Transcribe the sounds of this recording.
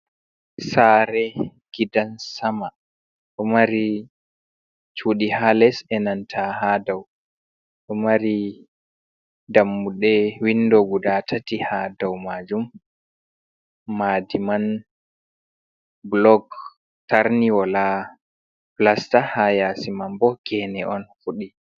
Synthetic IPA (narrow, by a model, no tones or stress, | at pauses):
saːɾɛɡ̥idansama | ɗɔmaɾi | t͡ʃuɗihalɛsɛnantʰahadaw | ɗɔmaɾi | damːuɗɛwindɔɡudatʰatihadawmad͡ʒum | adiman | blɔɡ | taɾniwala | plastahajasimambɔɡ̥ɛnɛʔɔnfuɗi